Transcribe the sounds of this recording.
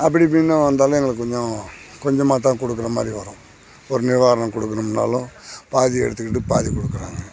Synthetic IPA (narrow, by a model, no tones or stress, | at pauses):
ɐp̬ːɐɽip̬ːinːaːʋɐnd̪aːlɐ̃ɛŋɡɐɭɯkːkːɔɲd͡ʒɔ̃kɔɲd͡ʒɐmːaːt̪̬ːãːkɔɽɯkːɯɾɐmaːd̪ɾiʋɐɾʊ̃ | ɔɾɯnɪʋaːɾɐɳɐ̃kɔɽɯkːɐnɐmnːa̰ːlʊ̃paːðiɛ̰ɽɯt̪ːɯkːɪʈːɯpaːðikɔɽɯkːɯɾa̰ːŋɡɐ